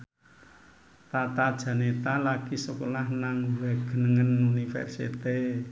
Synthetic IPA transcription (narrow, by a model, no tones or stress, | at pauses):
t̪at̪ad̥ʒ̥ä̤net̪alakisukolahnaŋwɛɡ̥ə̤nəŋənunifɛ̰rsḭt̪e